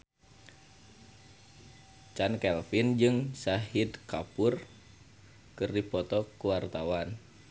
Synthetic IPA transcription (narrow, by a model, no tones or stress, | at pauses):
t͡ʃankɛlfind͡ʒɨŋsaɦid̪kapur | kɨrdipɔt̪ɔkuwart̪awan